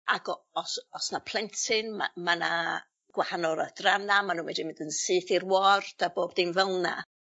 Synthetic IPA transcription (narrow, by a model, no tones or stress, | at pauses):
aɡɔɔsɔsnapʰlˠɛntʰɪnma̰mana | ɡ̥wahanɔɾadranamanũːmɛdimɪndənsɨːθirwɔrd̥aboːbdinvɛlˠna̰